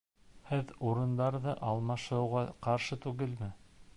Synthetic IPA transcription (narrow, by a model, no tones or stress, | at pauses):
hɘðuɾɤ̆nd̪ɑɾðɤʔɑlˠmɑʃɤ̆wʁɑqɑɾʃɤt̪ʉɡɘlmɘ